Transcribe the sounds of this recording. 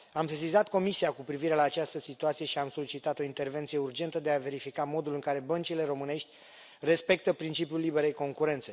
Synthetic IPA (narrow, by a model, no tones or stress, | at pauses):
amsesizat̪ko̞misiakupɾiviɾe̞laːt͡ʃast̪əsit̪uat̪sije̞ʃiamso̞lit͡ʃit̪at̪o̞int̪erve̞nt̪sijeurd͡ʒe̞nt̪əd̪e̞ave̞ɾifikamo̞d̪ulɨŋkaɾe̞bənt͡ʃile̞ɾo̞mɨne̞ʃt̪ʲ | re̞spe̞k̚t̪əpɾint͡ʃipjulːibe̞ɾe̞jko̞ŋkuɾe̞nt̪se̞